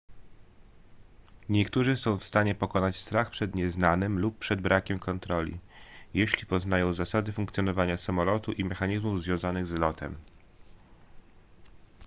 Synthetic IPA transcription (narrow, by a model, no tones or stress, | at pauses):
ɲɛkt̪uʐɘsɔ̃w̃fst̪aɲɛpɔkɔnat͡ɕst̪ɾaxpʂɛd̪ɲɛznanɘmlupːʂɛd̪̚bɾʔakʲɛmkʰɔnt̪ɾɔlʲḭjeɕlʲipɔzn̪ajɔ̃w̃zasad̪ɘfuŋkt̪sʲjɔnɔvaɲasamɔlɔt̪uʔimɛxaɲizmuvzvʲjɔ̃w̃zanɘɣzlɔt̪ɛ̰m